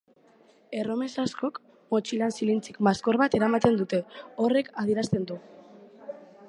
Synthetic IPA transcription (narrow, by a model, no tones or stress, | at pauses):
e̞ro̞me̞sasko̞k | mo̞t͡ʃilansilint͡sikmasko̞ɾβat̪e̞ɾamat̪e̞nd̪ut̪e̞o̞re̞kʰað̞iɾast̪e̞nd̪u